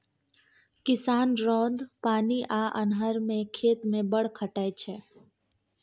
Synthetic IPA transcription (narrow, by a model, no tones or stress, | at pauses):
kɪsaːnɾɔ̃ːd̪paːniʔaːʔə̰nɦəɾmẽkʰeːt̪mẽbəɽ̤kʰəʈəet͡ʃʰɛː